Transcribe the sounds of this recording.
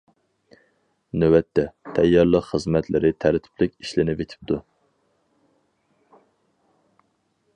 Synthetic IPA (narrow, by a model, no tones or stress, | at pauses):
nøwɛt̪ʰːɛt̪ʰɛjːɑɾlˠəqχəzmɛt̪ʰlɪɾɪt̪ʰæɾt̪ʰɪ̥pʰlɪkʲiʃlɪnɪvet̪ʰɪ̥p̚t̪ʰu